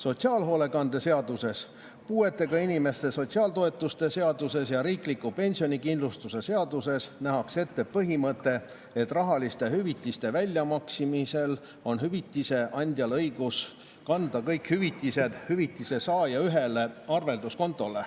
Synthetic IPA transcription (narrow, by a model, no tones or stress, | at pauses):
so̞t̪siɑːlɦo̞ːle̞kɑnd̪̥e̞se̞ɑd̪use̞s | puːe̞t̪ːˑe̞ɡ̥ɑinʲime̞st̪e̞so̞t̪ʲsiɑːlt̪o̞e̞t̪ːˑust̪e̞se̞ɑd̪use̞sjɑɾiːklikːupe̞nʲsio̞nʲikind̪lust̪use̞se̞ɑd̪use̞snæɦɑkse̞t̪ːe̞pɤɦimɤt̪ːe̞ː | t̪ːˑrɑɦɑlist̪e̞hyvit̪ˑːist̪e̞vælʲːjɑmɑksimise̞l | o̞nɦyvit̪ːˑise̞ʔɑnʲd̪̥ʲjɑlɤjɡ̥us | kɑnd̪̥ɑkɤjkhyvit̪ˑːise̞d̪̥hyvit̪ːˑise̞sɑːjɑyɦe̞le̞ɑrve̞ld̪usko̞nt̪ːˑo̞le